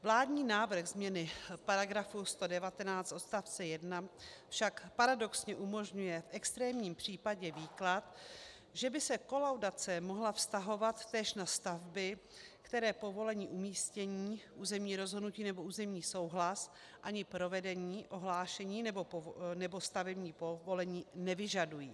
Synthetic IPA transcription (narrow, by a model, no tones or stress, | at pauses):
vlaːdɲiːnaːvɾ̩xzmɲɛnɪpaɾaɡɾafust̪o̞dɛvat̪ɛnaːt͡st̪ʔo̞t̪st̪aft͡sɛjɛdnafʃakpaɾado̞ksɲɛʔumo̞ʒɲujɛfʔɛkst̪ɾɛːmɲiːmpr̝̥iːpaɟɛviːklat̪ | ʒɛbɪsɛko̞lawdat͡sɛmoɦlafst̪aɦo̞vat̪ːɛːʃnast̪avbɪ | kt̪ɛɾɛːpo̞vo̞lɛɲiːʔumiːscɛɲiːʔuːzɛmɲiːɾo̞zɦodnuciːnɛbo̞uːzɛmɲiːso̞wɦlas | ʔaɲɪpɾo̞vɛdɛɲiːʔo̞ɦlaːʃɛɲiːnɛbo̞nɛbo̞st̪avɛbɲiːpovo̞lɛɲiːnɛvɪʒadujiː